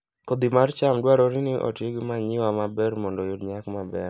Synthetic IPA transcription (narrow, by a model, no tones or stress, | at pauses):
kod̪imart͡ʃamdwaɾoɾinɪʔɔ̰tiɡimaɲɪwamabɛrmɔndɔjudɲakmabɛɾ